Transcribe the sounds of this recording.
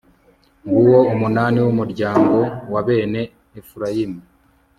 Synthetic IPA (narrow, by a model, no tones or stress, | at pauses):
ŋɡuwo̞umunaːniwumuɾɟaːŋɡo̞waβe̞ːne̞ː | fuɾajimu